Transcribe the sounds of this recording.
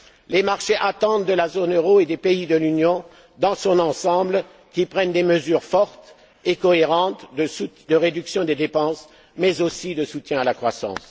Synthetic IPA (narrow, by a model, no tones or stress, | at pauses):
lemaʁʃeʔat̪ɑ̃t̪d̪əlazonøʁoed̪epeid̪əlynjɔ̃ | d̪ɑ̃sɔ̃nɑ̃sɑ̃bl | kʲipχɛnd̪eməzyːʁfɔʁt̪ | ekɔeʁɑ̃t̪d̪əsud̪əʁed̪yksjɔ̃d̪ed̪epɑ̃s | mɛzosid̪əsut̪jɛ̃alakχwasɑ̰̃s